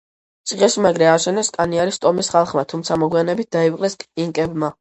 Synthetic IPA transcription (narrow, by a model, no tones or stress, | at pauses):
t̪sʼiʁɛsmaɡɾɛaʃɛnɛskʼaniaɾist̪ʼɔmisχalˠχmat̪ʰumt̪sʰamɔɡwianɛbit̪̚d̪̥aipqʼlɛskʼiŋkʼɛbma